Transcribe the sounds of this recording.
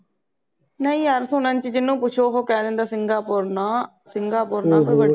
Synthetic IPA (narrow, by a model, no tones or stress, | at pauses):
nəĩːəɾsʊnə̃nt͡ʃɪd͡ʒ̪ɪnːũːpʊt͡ʃʰoːɦoːkɛ̃ːd̪ɪːnd̪aːsɪŋɡaːpʊɾnaː | sɪŋɡaːpʊːɾnaːpəʋə